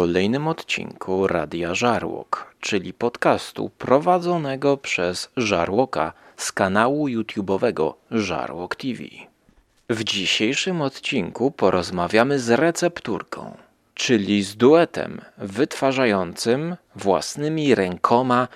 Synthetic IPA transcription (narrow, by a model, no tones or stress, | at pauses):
ɔlɛjnɘmɔt̪t͡ɕḭŋkʰuɾa̰d̪ʲjaʐaɾwɔ̰kt͡ʂɘlʲipɔt̪kast̪ṵpɾɔvad̪zɔnɛɡɔpʂɛz̥ʐaɾwɔka̰skanawujut̪ʲjubɔvɛɡɔ̰ʐa̰ɾwɔkt̪ʲivʲḭ | vd͡ʑiɕejʂɘmɔt̪t͡ɕiŋkupɔɾɔzmavʲjamɘzɾɛt̪sɛpt̪uɾkʰɔ̰̃w̃ | t͡ʂɘlʲizd̪uɛt̪ɛ̰mvɘt̪faʐajɔnt̪sɘm | vwa̰snɘmʲiɾɛŋkʰɔma